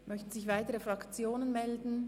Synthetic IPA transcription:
mʔœçtn̩zɪçv̥aɪtəʁəfʁakt͡sjoːnənmɛldn̩

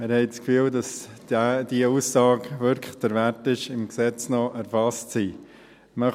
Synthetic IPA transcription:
mɪɾhɛɪt͡skfyːldɑs | d̥iəusːɑːkʋʏɾkd̥̪əɾʋæɾtɪʃɪmksɛt͡snɔʔɛɾfɑstsiː | mœ

